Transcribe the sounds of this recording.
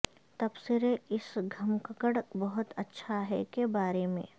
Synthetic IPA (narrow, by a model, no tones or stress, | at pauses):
t̪ɐbsɪɾeɪsɡʱɐmkəkəɽbɐɦʊt̪ɐtːʃʰaɦɛ̰kebaːɾemḛ̃ː